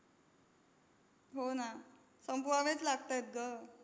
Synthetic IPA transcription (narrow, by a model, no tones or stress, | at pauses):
ɦona | səmpuaʋẽt͡slaɡ̚t̪ajet̪̚ɡə